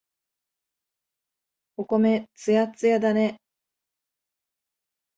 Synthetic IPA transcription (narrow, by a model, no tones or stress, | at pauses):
oko̞me̞t͡sɨjat͡sɨjad̪ane